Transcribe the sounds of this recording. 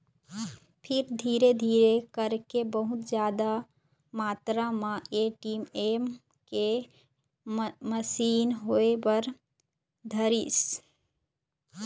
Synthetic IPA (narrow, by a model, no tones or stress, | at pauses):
pʰɪɾd̪ʱiːɾed̪ʱiːɾekəɾkebəɦʊt̪d͡ʒjaːd̪a | maːt̪ɾamãeʈiːmem | ke | məsiːnɦoebəɾ | d̪ʱəɾis